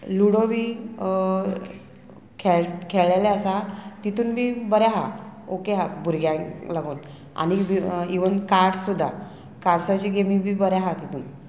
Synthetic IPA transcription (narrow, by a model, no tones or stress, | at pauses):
luɽobʱiː | kʰeɭkʰeɭɛlɛəsat̪it̪uːnbʱiːbəɾjaɦaokeɦabʱuɾɡjãlaɡoːn | a̰nibiiʋənkaɾʈsud̪ʱːa | kaɾʈsat͡ɕiɡemibʱiːbəɾjaɦat̪it̪ʰuːn